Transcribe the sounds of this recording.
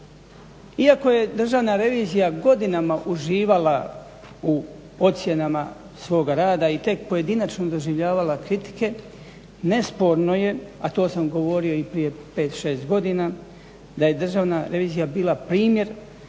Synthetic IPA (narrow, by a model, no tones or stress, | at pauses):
iako̞je̞d̪r̩ʒaʋnaɾe̞ʋiːzijaɡo̞d̪inamaʔuʒiːʋala | u | o̞t̪sje̞nama | sʋo̞ːɡaɾaːd̪ait̪e̞k̚pojed̪inat͡ʃno̞d̪o̞ʒiʋʎaːʋalakɾit̪i̥ke̞ | ne̞spo̞ɾno̞je̞at̪o̞ːsamɡo̞ʋo̞ɾio̞ipɾije̞pe̞ːt̪ʃe̞ːst̪ɡo̞d̪ina | d̪aje̞d̪r̩ʒaːʋnaɾe̞ʋiːzijabiːlapɾiːmje̞ɾ